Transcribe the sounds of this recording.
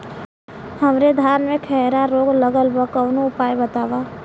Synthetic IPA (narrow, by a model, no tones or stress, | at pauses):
hɐmɾed̪ʱaːnmẽkʰɛɦɾaɾoːɡləɡəlbəkəːnoʊpaːjbət̪aːʋa